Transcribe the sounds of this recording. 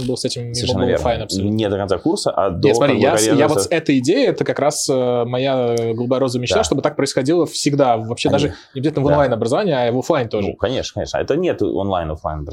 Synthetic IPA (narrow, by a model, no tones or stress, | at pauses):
nbɨlˠsɛtʲɪmsɾuɛnɨlvˠelˠajnɐpsnʲed̪əkɐnt̪sakursəʔad̪esmɐt̪ɾijajavot̪sɛt̪əɪdʲejɪɛt̪əkɐkɾasəmɐjaɡəlˠubajəɾo̞zəmʲɪɕnaʂt̪obɨt̪ak̚pɾəɪsxɐdʲilˠəfsʲɪɡd̪avːɐpɕed̪aʐɨnʲɪbɪzat̪ʲlʲnəvonlˠajnɐbɾəzɐvanʲɪɪavoflˠajnʲt̪o̞ʐṵkɐnʲeʂnəkɐeʂnə̰ɛ̰t̪ənʲet̪o̰nlˠajnoflˠa̰jnɐb